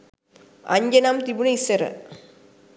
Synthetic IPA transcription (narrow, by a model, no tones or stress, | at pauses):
ɐ̰ɲd͡ʑɐnaːmt̪ibunɐisɐɾɐ̰